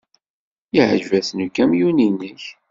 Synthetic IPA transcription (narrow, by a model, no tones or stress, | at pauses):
iʕʒvæθnəkːæmjuninəç